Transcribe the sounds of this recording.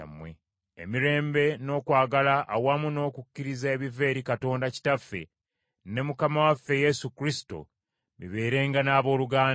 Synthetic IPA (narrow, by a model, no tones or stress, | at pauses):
mwḛ | ḛmiɾe̞ːmbe̞no̞ːkwaːɡalaʔːwamuno̞ːkukːiɾizaeβive̞ːɾikato̞ːndaci̥tafːe̞̰ | ne̞mukamawafːe̞je̞sukɾisi̥to̞̰ | mḭβe̞ːɾe̞ːŋɡanaːβo̞ːluɡaː